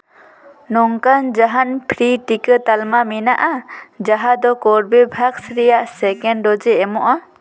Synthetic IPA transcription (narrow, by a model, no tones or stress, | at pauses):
nɔŋkand͡ʒaɦanpʰɾiʈikət̪almaminaʔad͡ʒaɦad̪ɔkɔɾbebʱaksɾijaʔsɛkɛɳɖɔd͡ʒɛːmɔʔa